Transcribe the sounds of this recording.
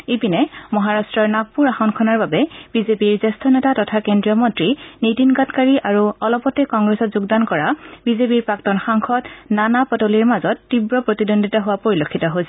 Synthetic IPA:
epinɛmɔɦaɹastɹɔɹnak̚puɹaxɔnkʰɔnaɹbabɛb̥izepiɹzɛstʰɔnɛtatɔtʰakendɹiɔmɔntɹinetinɡatkaɹiʔaɹuɔlɔpɔtɛkɔŋɡɹɛsɔtzuɡdankɔɹabizepiɹpɹaktɔnxaŋxʰɔtnanapɔtoliɹmazɔtːibɹɔpɹotidondʱitaɦʊwapoɹilokʰːitɔɦojsɛ

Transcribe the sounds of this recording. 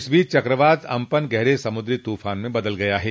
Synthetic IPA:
sbʱiːt͡ʃt͡ʃɐkɾəʋaːd̪ɐ̰̃mpənɡɛɦɾesɐmʊd̪ɾit̪uːfaːnmẽbɐd̪əlɡɐjaɦɛː

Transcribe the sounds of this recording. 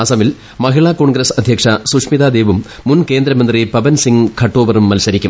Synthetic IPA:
ɐsɐmɪl | mɐɣɪɭaːkoːɳɡɾɐsɐd̪ʱjɐkʂɐsuʂmiðaːd̪eːʋɯmːʊnkeːnd̪ɾɐmɐnd̪ɾipɐbɐnsiŋkʰɐʈːoːʋɐɾɯmːɐlsɐɾɪikʲːɯ̰m

